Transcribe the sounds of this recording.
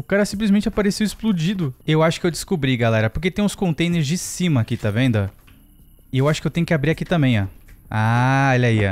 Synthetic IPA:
ʊkaɾɐsĩplizmẽnt͡ʃapaɾesewɪsplud͡ʒid̪ʊewaʃʊ̥kɪewd͡ʒɪskobɾiɡalɛɾɐpoɾk̬et̪ẽj̃ʊ̃skõnt̪ẽj̃neɾzd͡ʒɪsĩmɐːkit̪avẽnd̪ʊɐ | ɪewaʃʊ̥kɪewt̪ẽj̃ʊkɪabɾiɾakit̪ɐ̃mbẽj̃aaɔʎaia̰

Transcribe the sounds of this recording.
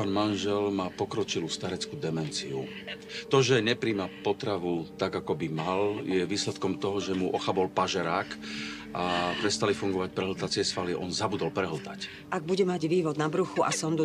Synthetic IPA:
paːnmanʒɛlmaːpɔkɾɔt͡ʃilust̪aɾɛt͡skuːd̪ɛmɛnt͡siu | t̪ɔʒɛɲɛpɾiːmapɔt̪ɾaʋut̪aɡakɔbimaljɛʋiːslɛt̪kɔmt̪ɔɦɔʒɛmuʔɔxabɔlpaʒɛɾaːk | ʔapɾɛst̪alifuŋɡɔʋac̚pɾɛɦlt̪at͡sɪɛsfaliʔɔ̰nzabud̪ɔlpɾɛɦl̩t̪ac | ʔaɡ̚buɟɛmaɟʋiːʋɔd̪nabɾuxuʔasɔmd̪u

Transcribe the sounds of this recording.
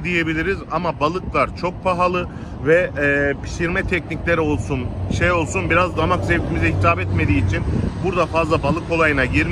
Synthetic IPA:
d̪ije̞bilʲiɾizamabalˠɯklˠaɾt͡ʃʰo̞k̚pʰaɦalˠɯ | vɛːpʰi̥ʃiɾmɛt̪ʰɛcniclʲeɾio̞lˠsunʃejo̞lˠsunbiɾazd̪amakzevt̪ʰimizɛɦit̪aːbɛt̪me̞d̪iːt͡ʃʰinbuɾd̪afazlˠabalˠɯko̞lˠajɯnaɟiɾm

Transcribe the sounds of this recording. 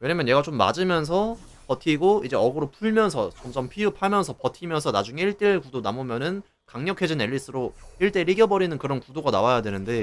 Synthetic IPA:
we̞ɲamjʌnɲje̞ɡat͡ɕomːa̰d͡ʑɯmjʌns̬ʰʌ | pʌtʰiɡoid͡ʑe̞ʌɡɯɾopʰuɭmjʌnsʰʌt͡ɕʌmt͡ɕʌmpʰiɯpʰamjʌnsʰʌpʌtʰimjʌnsʰʌnad͡ʑuŋe̞iɭt͈eɭkudonamomjʌnɯn | kaŋɲʌkʰe̞d͡ʑine̞ʎːis͈ɯɾoiɭt͈e̞ɾiɡjʌbʌɾinɯnkɯɾʌnkudoɡanawajadwe̞nɯnde̞

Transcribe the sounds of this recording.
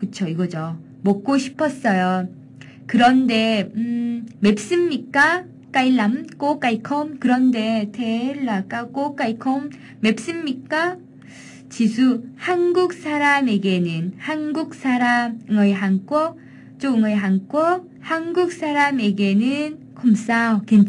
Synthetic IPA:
kɯt͡ɕʰoiɡʌd͡ʑo | mʌk͈̚oɕʰi̥pʰʌs͈ʌjo | kɯɾʌnde̞ | me̞p̚s͈ɯmɲik͈a | k͈ailːamk͈ok͈aikʰʌmkɯɾʌnde̞tʰeɭːak͈ak͈ok͈aikʰʌmː | e̞p̚s͈ɯmɲik͈a | t͡ɕisʰuhanɡuk̚sʰaɾame̞ɡe̞nɯnhanɡuk̚s͈ʰaɾamɯŋʌjɦaŋk͈wʌ | t͡ɕ͈oɯŋʌiɦaŋk͈wʌ | hanɡuk̚s͈ʰaɾame̞ɡe̞nɯn | kʰoms͈aokent͡ɕ

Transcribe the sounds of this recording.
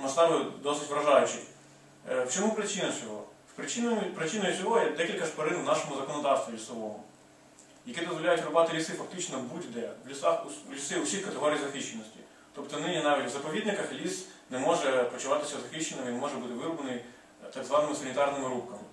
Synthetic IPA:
mɐst̪ɑʋɐjʊd̪ɔsɪtʲʋɾɐʒɑjʊt͡ʃɪ | wt͡ʃɔmupɾɪt͡ʃɪnɐt͡sʲɔɦɔ̰ | wpɾɪt͡ʃɪnpɾɪt͡ʃɪnɔjʊt͡sʲɔɦɔjɛd̪ɛkʲilʲkɐʃpɐɾɪnwnɑʃɔmʊzɐkɔnɔd̪ɑwst̪ʋʲilʲisɔʋɔmʊ̰ | jɐkʲid̪ɔzʋɔlʲajʊtʲɾʊbɑt̪ɪlʲisɪfɐk̚t̪ɪt͡ʃnɔbudʲd̪ɛʋlʲisɑxlʲisɪʊsʲixkɐt̪eɦɔɾʲijzɐxiʃt͡ʃenːɔsʲtʲi̥̰ | t̪ɔpt̪ɔnɪnʲinɑʋʲitʲʋzɐpɔʋʲid̪nɪkɐxlʲisnɛmɔʒɛpɔt͡ʃʊʋɑt̪ɪ̥sʲɐzɐxiʃt͡ʃːenɪmɪinmɔʒɛbut̪ɪʋɪɾʊbɐnɪj | t̪ɐɡzʋɑnɪmɪsɐnʲit̪ɑrnɪmɪɾukɐmɪ

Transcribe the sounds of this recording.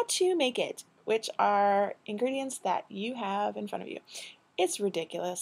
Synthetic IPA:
tʰɨmeɪkɪ̰t̚ | wʔɪt͡ʃə˞ʔɨ̃nɡɹiɾiɨ̃ntsðɨ̰t͡ʃɨævɨ̃nfɹʌ̰̃ɾ̃ʌ̰vjʉ̰ | ɪtsɹɨdɪkjl̩ˠəs

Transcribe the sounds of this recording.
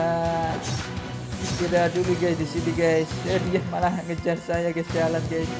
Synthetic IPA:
a | t̪idaduluɡajsdisiniɡajsəɾiamalaɦŋəd͡ʒarsajaɡajsd͡ʒalanɡajs

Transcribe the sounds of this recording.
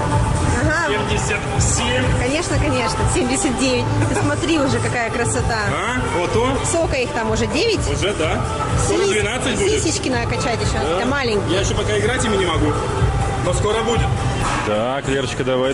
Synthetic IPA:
ɐɦaemʲdʲɪsʲət̪sʲemʲkɐnʲe̞ʂnəkɐnʲe̞ʂnəsʲemʲdʲɪsʲət̪̚dʲevʲɪt̚ʲpsmɐt̪ɾʲiʊʐɛkɐkajəkɾəsɐt̪aa | ot̪osokəixt̪amʊʐɛdʲevʲɪtʲʊʐɛd̪a | ssʲmʲid̪vʲɪnat̪sːɨt̪̚ʲisʲɪt͡ɕkʲɪnəkɐt͡ɕætʲɪɕot̪əmalʲɪŋʲkjajɪɕːopɐkaɪɡɾatʲɪmʲɪnʲɪmɐɡu | noskoɾəbudʲɪt̪̚ | t̪a | klʲert͡ɕkəd̪ɐvaj

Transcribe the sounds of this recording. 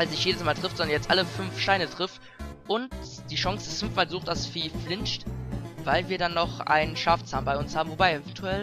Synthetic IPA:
alsnɪçtjeːdəsmaːltʁ̥ɪftz̥ɔndɐnjɛt͡stʔa̰ləfʏnfʃtaɪnətʁ̥ɪft | ʔʊntd̥iːʃɔŋsd̥ɪsfʏnfmaːlzuːχtasfiːflɪnʃtvaɪlviːɐdanːɔχʔa̰ɪnənʃaːft͡saːnbaɪʊnshaːbm̩vobaɪɛvɛntʰuɛl

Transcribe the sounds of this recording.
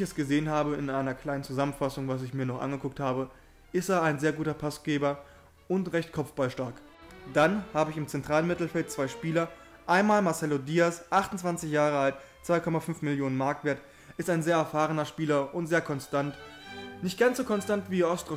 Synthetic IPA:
çɛsɡ̥əzeːənhaːbəɪnʔaɪnɐkʰl̥aɪnənt͡suzamən̩fasʊŋvas̬ɪçmiːɐnɔχʔa̰nɡəkʊk̚thaːbə | ʔɪsteːɐaɪnzeːɐɡuːtɐpʰasɡ̥eːbɐ | ʊntʁɛçtkʰɔpp͡fb̥alʃtaɐk | d̥anhaːbəɪçɪmt͡sɛntʁ̥aːlənmɪtl̩fɛlt̚t͡sv̥aɪʃpiːlɐ | ʔaɪnmaːlmaɐsɛlodiːasʔaχtʊn̩t͡sv̥ant͡sɪçjaːʁ̞əalt | t͡sv̥aɪkʰɔmafʏnfmɪljoːnənmaɐk̚tv̥eːɐt | ʔɪstaɪnzeːɐɛɐfaːʁənɐʃpiːlɐʔʊntz̥eːɐkʰɔnstantnɪçt̚ɡ̥ant͡sz̥oːkʰɔnstantv̥iːɔstʁ̥o

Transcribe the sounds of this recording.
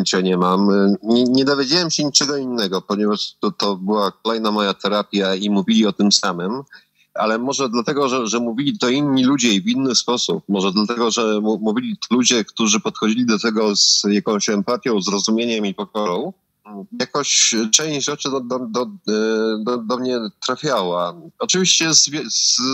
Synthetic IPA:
t͡ʂɛɲɛmamɲɛɲɛd̪ɔvʲjed͡ʑawɛmɕɛɲit͡ʂɛɡɔinːɛɡɔpɔɲɛvaʂt̪ɔt̪ɔbɘwak̚ɔlɛjnamɔjat̪ɛɾapʲjaimuvʲilʲiɔt̪ɘmsamɘm | ʔa̰lɛmɔʐɛd̪lat̪ɛɡɔʐɛʐɛmuvʲilʲit̪ɔinːilud͡ʑɛivinːɘspɔsup̚mɔʐɛd̪lat̪ɛɡɔʐɛmumuvʲilʲit̪lud͡ʑɛkt̪uʐɘpɔt̪xɔd͡ʑilʲid̪ɔt̪ɛɡɔzjakɔ̃w̃ɕɛmpat̪ʲjɔ̃w̃zɾɔzumʲjeɲɛmipɔkɔɾɔ̃w̃ | jakɔɕt͡ʂɛ̃w̃ʑd͡ʑʐɛt͡ʂɘd̪d̪d̪ɔ | d̪ɔd̪ɔmɲɛt̪ɾafʲjawaɔt͡ʂɨvʲiɕt͡ɕɛzvʲz

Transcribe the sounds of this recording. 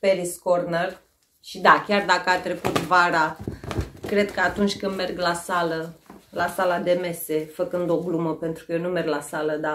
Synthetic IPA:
peɾiskorner | ʃid̪akʲard̪akəat̪ɾe̞kut̪vaɾa | kɾe̞d̪kəat̪unt͡ʃʲkɨnd̪me̞rɡlasaləlasalad̪e̞me̞se̞fəkɨnd̪o̞ɡluməpe̞nt̪ɾukəjenume̞rɡlasaləd̪a

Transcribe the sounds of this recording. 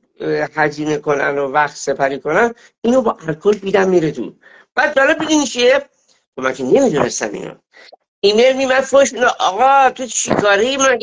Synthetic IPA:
hæziːneko̞nænovæxt̪se̞pʰæɾiːko̞næn | inobɒːʔælkʰolbid̪æmːiːɾet̪ʰṵ | b̥æd̪̚d͡ʒɒːle̞bbid̪init͡ʃʰie | xomæ̰ŋkʰene̞mid̪une̞st̪æ̰mʔḭːno̰ | inemimænfoʃineʔɒɣɒt̪ʰuʃʰikʰɒːɾejimæ

